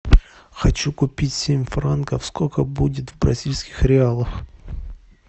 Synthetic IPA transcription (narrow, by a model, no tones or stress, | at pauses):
xɐt͡ɕukʊpʲitʲsʲemʲfrankəfskokəbudʲɪt̪vbɾɐ̰zʲilʲskʲɪ̥xɾʲɪalˠəf